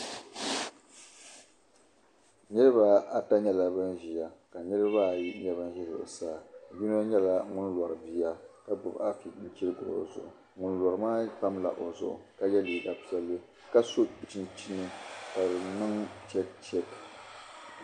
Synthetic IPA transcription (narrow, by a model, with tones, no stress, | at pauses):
nɨ˦ɾɨ˦ba˦a˨ta˦ɲɛ˦la˦bɨ˦nʒi˨ja˨ka˨nɨ˦ɾɨ˦ba˦˨ji˦ɲɛ˦ba˦n˦ʒɛ˦ɾɨ̰˨saː˦˨ji˦no˦ɲɛ˦la˦ŋʊ˦nla˨ɾɨ˨bi˦ja˦ka˦dʊ˨ba˦fi˨i˦t͡ʃi˦ɾɨ˦ɡʊ˨ɾo̰˨zʊ̰˨ʔʊ̰˨ | ŋʊ˦n˦la˨ɾɨ˨maː˦pa˦mla̰˨ʔo˨zʊ̰˦ʔʊ̰˨ka˦jɛ˦li˨da˨pi˦jɛ˦lːɨ˦ | ka˦so˦k͡pi˨t͡ʃi˦nt͡ʃi˦nɨ˦ka˨bɨ˨nɨ˦ŋt͡ʃɛ˦t͡ʃɛ˦t